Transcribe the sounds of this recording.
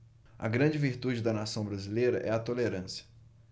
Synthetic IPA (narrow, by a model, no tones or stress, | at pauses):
ɐ̰ɡɾɐ̃d͡ʒɪviɾt̪ud͡ʒɪd̪ɐnasɐ̃w̃bɾazilejɾɐ̰ʔɛɐt̪oleɾɐ̃sjɐ̥